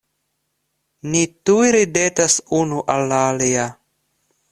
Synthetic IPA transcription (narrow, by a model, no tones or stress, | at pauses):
nitujɾidetasunuʔalːaːlia